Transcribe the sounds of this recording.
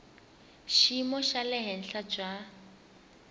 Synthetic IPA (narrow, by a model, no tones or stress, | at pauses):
ʃimɔʃalɪɦɛn̩ɬad͡ʒwa